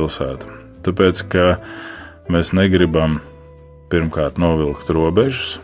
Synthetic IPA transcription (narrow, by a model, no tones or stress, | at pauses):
ilˠsæːt̪ḁ | t̪apeːt̪ska | meːsnɛɡɾibam | piɾmkaːɾt̪nuɔvilˠkt̪ɾuɔbɛʒʊ̥s